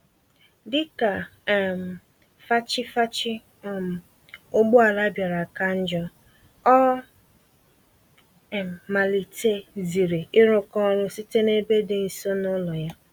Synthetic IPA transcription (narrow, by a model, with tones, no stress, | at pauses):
dɪ˦ka˨m˨ | fa˦t͡ʃɪ˦fa˦t͡ʃɪ˦˨ | m˨ | ʊ˦ɡ͡bʊ˦a˨la˦bja˨ɾa˨ka˦n̩˦d͡ʒɔ˦ | ɔ˦˨ | ma˨li˨te˦zi˨ɾe˨ɪ˦ɾʊ˦kɔ˦ɾʊ˦si˦te˦ne˦be˦dɪ˨n̩˨so˦nʊ˦lɔ˨ja˦